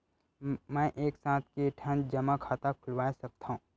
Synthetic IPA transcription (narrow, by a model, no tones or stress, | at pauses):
mɛ̃ːʔeːksãːt̪ʰkeʈʰənd͡ʒɐmakʰaːt̪akʰʊlwaːesɐk̚t̪aɦũː